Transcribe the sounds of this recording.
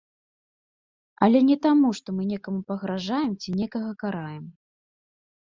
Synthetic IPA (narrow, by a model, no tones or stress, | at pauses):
ɐ̰lʲɛnʲɛt̪amuʂt̪ɔmɨnʲɛkɐmupɐɣɾaʐajɛmt͡sʲinʲɛkɐɣɐkaɾajɛm